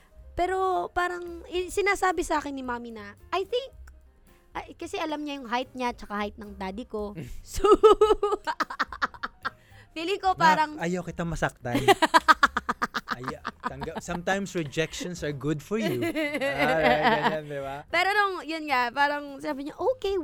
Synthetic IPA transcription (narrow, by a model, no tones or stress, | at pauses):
pɛːɾo̞paːɾɐŋʔɪsɪnaːsaːbɪsɐʔaːkɪnːɪmaːminɐʔɐjθɪŋk̚ | ʔɐkɐsɛʔɐlɐmɲɐjʊŋɦajt̪̚ɲat͡ʃɐkahajt̪̚nɐŋd̪aːd̪ɪko̞so | fiːlɪŋko̞mpaːɾɐŋʔɐjawkɪt̪amɐsɐk̚t̪aj | ɐj̪ɐŋɡɐsɐmt̪ãjmsɹɛd͡ʒɛkʃʃɔnsɐɹɡʊd̪fɔɹju | and̪ɪbapɛːɾonoŋjonŋapaːɾɐŋsɪnaːbɪɲaʔoːke